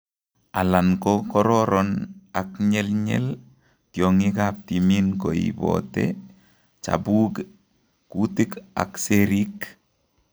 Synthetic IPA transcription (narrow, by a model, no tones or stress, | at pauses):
alaŋkokɔɾɔɾʔɔnakɲɛlɲɛ̰l | tjɔŋikap̚t̪iminkoḭbɔ̰tḛ | t͡ʃa̰buːk | kutika̰kseɾik